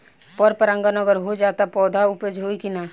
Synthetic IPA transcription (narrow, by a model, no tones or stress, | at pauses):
pɔɾpəɾə̃ŋɡanəɡəɾɦod͡ʒaːt̪apɔːd̪ʱauped͡ʒʱɦoikinaː